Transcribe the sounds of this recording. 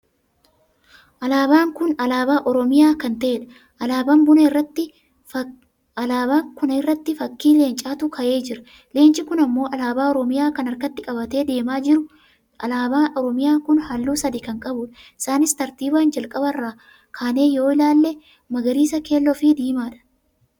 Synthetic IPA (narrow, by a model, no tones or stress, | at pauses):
ʔɐlaːbaːŋkʊnɐlaːbaːʔɔɾɔmɪjaːkɐnt̪ɐʔᶑɐ̥ | ʔɐlaːbɐmbʊnɐɪrːɐt̪ːɪ | ɐlaːbakʊnɐɪrːɐt̪ːɪfɐkːiːle̞ːnt͡ʃʼaːt̪ʊkʰɐʔe̞ːd͡ʒɪɾɐ̥ | le̞ːnt͡ʃʼɪkʊnɐmːo̞ːɐlaːbaːɔɾɔmɪjaːkɐnɐɾkɐt̪ːɪkʼɐbɐt̪e̞ːd̪e̞ːmaːd͡ʒɪɾʊ | ɐlaːbaːʔɔɾɔmɪjaːŋkʊnhɐlːuːsɐd̪ɪkɐŋkʼɐbʊᶑɐɪ̥saːnɪst̪ɐɾt̪iːbaːnd͡ʒɐlkʼɐbɐrːaː | kʰaːne̞ːjo̞ːɪlaːlːɛ | mɐɡɐɾiːsɐke̞ːlːɔfid̪iːmaːᶑɐ̥